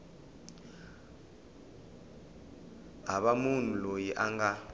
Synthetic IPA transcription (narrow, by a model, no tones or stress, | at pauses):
aɓamuntʼulojiʔaŋɡa